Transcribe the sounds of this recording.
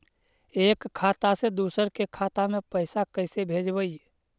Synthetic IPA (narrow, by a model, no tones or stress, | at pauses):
eːkʰːaːt̪ased̪uːsəɾkekʰaːt̪amẽpəɪsakəɪsebʱeːd͡ʒbəi